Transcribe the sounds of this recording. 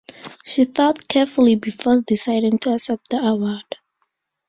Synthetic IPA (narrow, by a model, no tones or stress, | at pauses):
ʃiθɔt̚kʰɛfulibifɔdisaɪɾɪ̃ŋtʰuəsɛp̚d̪əawad̥